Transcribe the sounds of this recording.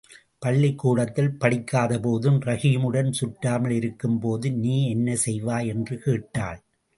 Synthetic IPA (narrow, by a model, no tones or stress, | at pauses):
pɐɭːɪkːuːɽɐt̪ːɪlpɐɽɪkːaːðɐpoːðɯmɾɐɣiːmɯɽɐnsʊʈɾaːmɐɭɪɾɯkːɯmpoːðɯniːɛnːɐsɛjʋaːjɛndrɯkeːʈːa̰ːɭ